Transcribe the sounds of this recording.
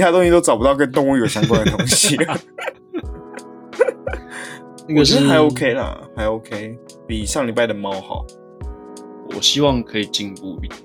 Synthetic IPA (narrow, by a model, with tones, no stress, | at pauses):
a˥˧t̪o˥ŋɕi˧t̪o˥ʊʈ͡ʂɑ˨ʊp̬u˦t̪ɑ˥˩ʊk̬ə˦nt̪ŋy˥˩ə˩ɕjɑ˥ŋkwa˥˦nd̪ə˩t̪o˧˥ŋɕ | i˥kə˨˩ʂ̩˥˨˧ha˨˥ɪo˥ʊkʰe˥ɪlə̰˨ha˧˥ɪo˧˥ʊkʰe˥ɪ | pi˨˩ʂɑ˥˩ŋli˨˩pa˥ɪə˩mɑ˦ʊxɑ̰˨˩˦ʊ | wɔ̰˨˩ɕi˦wɑ˥˨ŋkʰɤ˧˦˥i˨˩t͡ɕi˥˦npu˥˧˩